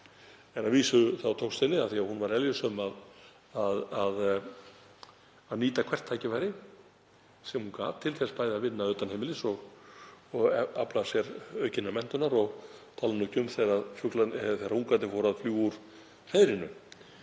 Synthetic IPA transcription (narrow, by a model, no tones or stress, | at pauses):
ɛnaðviːsʏθawt̪ʰowst̪ɛnːɪaðθiahunvaɾɛljʏsœmað | aðað | aðniːt̪akʰv̥ɛr̥t̪ʰːaːjcɪvajɾɪ | sɛmhunka̰ːvt̪ʰɪlθɛspaːjðavɪnːaœɥt̪anhejmɪlɪsɔɣ | ɔɣa̰plasjɛɾœːɥcɪnːamɛn̥t̪ʏnaɾɔɣt̪ʰaːlnʏcʏmθeɾaðfʏklaθejɾauŋkant̪ɪfoːɾaðfljuːuɾ̥ | r̥ejðɾɪnʏ̰